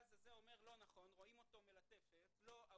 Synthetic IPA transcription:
zazeomeʁlo̞naχo̞nʁoimo̞t̪o̞me̞lat̪efetlo̞a

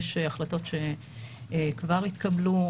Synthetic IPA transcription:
ʃeaχlato̞tʃe̞ | kvaʁit̪kablu

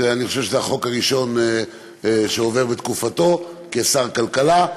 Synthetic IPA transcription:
aniχo̞ʃevʃezeaχo̞kaʁiʃo̞n | ʃeove̞ʁbet̪kufat̪o̞kesaʁkalkala

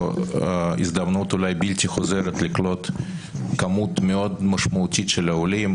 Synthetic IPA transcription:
ḭzd̪amnut̪ulajbiltʲiχozeɾet̪liklo̞t̪kamut̪meo̞d̪mɐʃmɐutʲit̪ʃelaolim

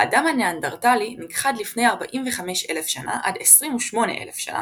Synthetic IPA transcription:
aːdamhaneandaʁtaliniɡχadlifne̞jaʁbaʔimveχame̞ʃele̞fʃana̰ʔadesʁimuʃmo̞ne̞̰ʔḛlefʃa̰na̰

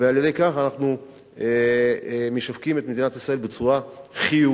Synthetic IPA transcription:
vealjede̞jkaχanaχnu | e | meʃafkime̞t̪me̞d̪inat̪isʁae̞lbet͡suʁaχiu

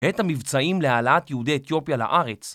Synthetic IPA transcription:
et̪hamivt͡saimlealaʔat̪jeudiet̪jo̞pjala̰ʔaʁe̞t͡s

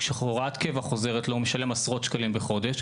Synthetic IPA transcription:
ʃeχoʁat̪kevaχo̞ze̞ʁetlomeʃale̞masʁo̞t̪ʃkalimbeχo̞d̪eʃ

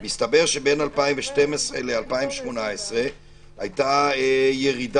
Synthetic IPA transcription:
mist̪abeʁʃe̞be̞nalpaĩmveʃtemesʁelealpaimveʃmonaesʁe̞ | ajtaejeʁid

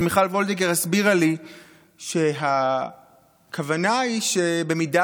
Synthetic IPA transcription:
miχalvo̞ld̪eɡeʁasbiʁali | ʃe̞ɦa | kʰavanaiʃebe̞mida

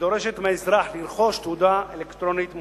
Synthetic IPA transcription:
d̪o̞ɾeʃet̪meezɾaħliɾχo̞ʃt̪ud̪aelekt̪ɾonit̪m

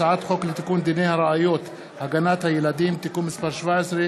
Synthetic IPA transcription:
aʕaːt̪xoːklɪt̪akuːnd̪ineːhaɾˤɑʔajoːt̪ | haɡanaːt̪hajelad̪iːmt̪akuːnmɪsbɑːɾˤʃvaːʕesɾe

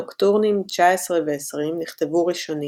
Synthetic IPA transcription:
okt̪uʁnimt͡ʃaesʁeveːsʁimniχt̪e̞vuʁiʃo̞ni

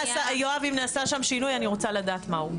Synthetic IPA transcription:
sajoavimnaːsaʃamʃinujaniʁo̞t͡salad̪aːt̪mau

